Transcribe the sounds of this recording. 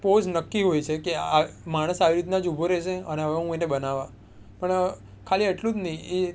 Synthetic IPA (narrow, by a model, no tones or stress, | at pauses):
pod͡ʒnəkːiɦojt͡ʃʰekeamaɽ̃əsaʋiɾit̪nad͡ʒubʱoɾeʃeəneɦəʋeɦũenebənaʋã | pəɳ | kʰaliəʈlũd͡ʒnəĩe